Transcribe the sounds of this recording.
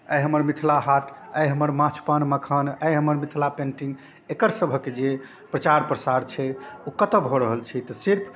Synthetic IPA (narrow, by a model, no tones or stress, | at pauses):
əjɦəməɾmit̪ʰlaɦaʈəjɦəməɾmãt͡ʃʰpənməkʰənəjɦəməɾmit̪ʰlapẽɳʈĩŋɡ | ekəɾsəbʱəkːed͡ʒe | pɾət͡ʃaɾpɾəsaɾt͡ʃʰɛukət̪əbʱoɾəɦəlt͡ʃʰit̪ɔsiɾpʰ